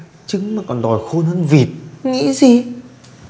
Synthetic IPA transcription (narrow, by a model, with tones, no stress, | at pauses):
t͡ɕɨ˨˦ŋmaː˨˩kɔ˨˩nɗɔ˨˩jxo˧nhə˧nvi˨˩t̚ŋḭ˧˥zi˨˩